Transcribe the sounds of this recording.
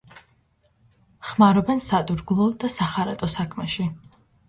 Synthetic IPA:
χmaɾɔbɛnsat̪ʼuɾɡlˠɔd̪asaχaɾat̪ʼɔsakʰmɛʃi

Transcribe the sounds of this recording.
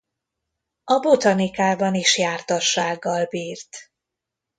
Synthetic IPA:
ɒbo̞t̪ɒnikaːbɒniʃjaːrt̪ɒʃaːɡːɒlbiːrt̪

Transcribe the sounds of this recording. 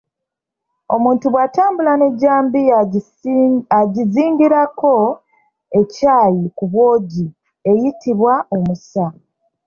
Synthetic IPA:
o̞muːntuβwaːtaːmbulane̞ɟːaːmbi | aɟiziːŋɟiɾako̞ | e̞caːjikuβwo̞ːɟi | e̞jitiβwao̞musa

